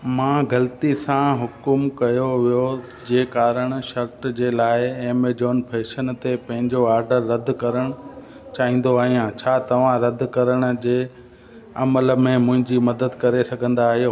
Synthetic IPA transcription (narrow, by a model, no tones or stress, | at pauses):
mãːɡɐlt̪isãɦʊkʊmkɐjoʋijo | d͡ʑeːkaːɾəɽ̃ʃɐɾʈd͡ʑeːlaːɪeːmed͡ʑoːnpʰeːʃənt̪epɐ̃ɦɪ̃ɲd͡ʑoaːɾɖəɾːɐd̪ʱkɐɾəɽ̃ʊ | t͡ɕaːɦĩːn̆d̪oaːɦijãt͡ɕʰaːt̪ɐʋ̤ãɾɐd̪ʱkɐɾəɽ̃̆d͡ʑeː | ɐmələ̆mẽmʊ̃ɦɪ̃ɲd͡ʑimɐd̪əd̪kɐɾesɐɡʱə̃nd̪aːɦɪjoː